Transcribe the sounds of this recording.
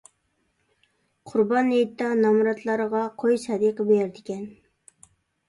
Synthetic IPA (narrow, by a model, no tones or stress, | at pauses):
qʰʊɾbɑnejt̪ːɑnɑmɾɑt̪ʰlˠɑɾəʁɑqʰojsɑd̪iqəbejɛɾd̪ɪkʲɛn